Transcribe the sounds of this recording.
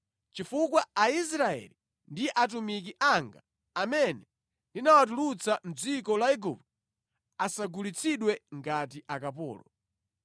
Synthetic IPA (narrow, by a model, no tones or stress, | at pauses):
t͡ʃifukwaais̬ɾaɛ̰li | ndiʔat̬umik̬iʔaŋɡa̰ː | mɛnɛ | ndinawat̬ulut͡sʰam̩d͡zikɔlaɛɡupt | asaɡulit͡sʰiɗwɛŋɡat̬iʔakapɔ̰ːlɔ